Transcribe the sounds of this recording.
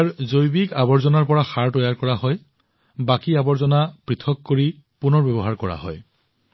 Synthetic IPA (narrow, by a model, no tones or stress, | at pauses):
aɹzojbikabɔɹzɔnaɹpɔɹaxaɹtɔjaɹkɔɹaɦɔj | bakiabɔɹzɔnapɹitʰɔkːoɹi | punɔɹbebɔɦaɹkɔɹa̰ɦɔ̰j